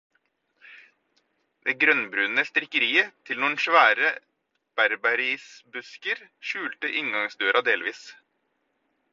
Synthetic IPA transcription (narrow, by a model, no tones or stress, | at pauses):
d̪̥eːɡɾœnbɾʉːnəst̪ɾɪkəɾiːət̪ʰɪlnuːn̩ʃʋæːɾə | b̥æɾbɑɾiːsbʉskəɾʃʉːlt̪əʔɪŋɡɑŋsd̪øːɾʔɑd̪eːlʋiːs